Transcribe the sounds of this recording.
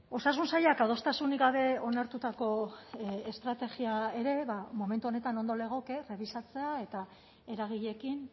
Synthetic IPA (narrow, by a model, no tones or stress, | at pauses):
o̞sas̬unsajakað̞o̞st̪asuniɡaβ̞e̞o̞naɾt̪ut̪ako̞ | est̪ɾat̪e̞ɣiae̞ɾe̞βamo̞ment̪uo̞ne̞t̪ano̞nd̪o̞le̞ɣ̞o̞ke̞re̞β̞isat͡se̞ae̞t̪a | e̞ɾaɣ̞iʎe̞kin